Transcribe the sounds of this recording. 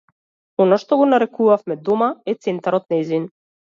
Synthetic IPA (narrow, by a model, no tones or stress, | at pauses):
ɔnaʃt̪ɔɡɔnaɾɛkuvafmɛd̪ɔmaɛt̪sɛnt̪aɾɔt̪naizin